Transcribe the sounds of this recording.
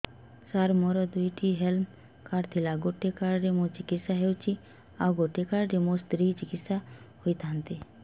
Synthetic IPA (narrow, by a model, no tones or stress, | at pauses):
saɾmɔɾɔd̪ujʈʰiɦelm | kaɾt̪ʰilaɡoʈekaɾɾemot͡ʃikit̪saɦewt͡ʃʰi | awɡoʈekaɾɾemost̪ɾit͡ʃikit̪sa | hojt̪ant̪i